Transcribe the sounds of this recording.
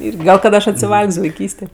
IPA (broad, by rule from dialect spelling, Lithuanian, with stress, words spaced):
ˈɪrʲɡʲɪ ˈɡɐlˠ kɐt ˈɐʃ ɐtʲsʲɪˈʋɐlʲkʲsʲ ʋɐɪˈkʲiːsʲtʲeː